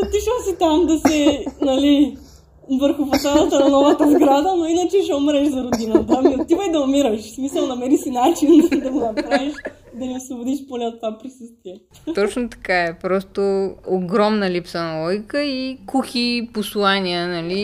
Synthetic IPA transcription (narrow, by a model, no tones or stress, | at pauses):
ɐt̪iʃosit̪amd̪ɐsɛnɐli | vəɾxʊfot̪alˠɐt̪ənɐnɔvɐt̪ɐzɡɾad̪ənoinət͡ʃɛʃɛomɾɛʃzɐɾod̪inət̪ɐmit̪ivɛjd̪ɐomiɾɐʃsmisɐlˠnɐmɛɾisinat͡ʃind̪ɐɡonɐppɾaviʃ | d̪ɐniosvobod̪iʃponɛot̪ːvapɾisəst̪vʲiɛ | t̪ɔt͡ʃnot̪ɐ̥kaɛpɾɔst̪ooɡɾɔmnɐlipsənɐɔjkəikuxiposlˠaniənɐli